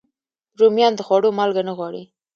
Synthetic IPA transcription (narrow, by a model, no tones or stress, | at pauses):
ɾomjɑnd̪əxwɑɽomɑlɡanəɣwɑɽḭ